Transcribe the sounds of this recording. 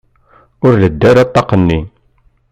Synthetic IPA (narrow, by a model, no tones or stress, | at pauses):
ʊɾləd̪ːæɾɑt̪ˤːɑqənːi